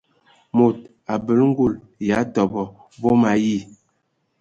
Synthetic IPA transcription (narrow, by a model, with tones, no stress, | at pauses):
mo˨t̚ | a˨bə˨lŋ̩˦ɡu˦˨l | ja˨˦tɔ˨bɔ˨ | vo˦ma˨ji˦˨